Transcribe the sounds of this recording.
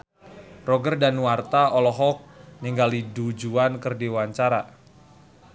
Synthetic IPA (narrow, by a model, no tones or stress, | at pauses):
rɔɡərdanwart̪aɔlɔɦɔk̚niŋɡalidud͡ʒuankɨrdiwaɲt͡ʃaɾa